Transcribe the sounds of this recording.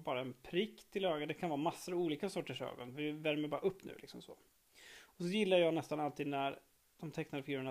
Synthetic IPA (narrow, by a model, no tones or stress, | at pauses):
bɑːɾaɛnpʰɾɪkːt̪ʰːɪløːɡad̪ɛkʰanvɑːmasːʊɾɔuːliːkasɔʈːəʂø̰ːɡɔnvɪvæɾməbɑːɾaɵpːnʉ̟̰ːlɪ̰ksɔmsɔ̰ | ɔsɔjɪlːaɾjəjɑːnɛst̪analt̪ʰiːd̪næɾ | d̪̥ɔmt̪ʰɛknad̪əfɪɡʉːɾəna